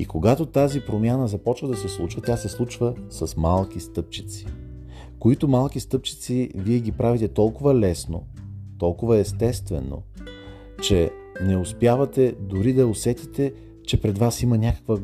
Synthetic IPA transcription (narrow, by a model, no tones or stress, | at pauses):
ḭkoɡat̪ot̪azipɾomʲjanəzɐpɔt͡ʃvəd̪ɐsɛslˠut͡ʃvət̪ʲasɛslˠut͡ʃvəsɐsmalˠk̟ist̪ɤp̚t͡ʃit̪si̥ | koit̪omalˠk̟ist̪ɤp̚t͡ʃi̥t̪siviɛɡʲipɾavit̪ɛt̪ɔlˠkʊvəlɛsno̰t̪ɔlˠkʊvəɛst̪ɛst̪vɛ̰no̰ | t͡ʃɛ | nɛʊspjavɐt̪ɛd̪ʊɾid̪ɐosɛt̪it̪ɛ | t͡ʃɛpɾɛd̪vasimənʲakə̥kvə